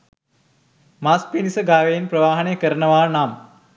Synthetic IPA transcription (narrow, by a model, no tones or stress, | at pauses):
maspinisəɡaːʋejinprəʋaːɦɐnejəkəɾənəʋaːnaːm